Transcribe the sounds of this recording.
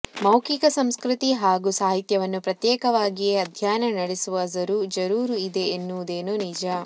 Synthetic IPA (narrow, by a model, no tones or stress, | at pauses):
mɐwkikɐsɐmskɾut̪iɦaːɡusaːɦit̪jɐʋɐnːupɾɐt̪jeːkɐʋaːɡijeɐd̪ʱjaːnɐnɐɽesuʋɐzɐɾuːd͡ʒɐɾuːɾuid̪e̞ːnːud̪eːnunid͡ʒa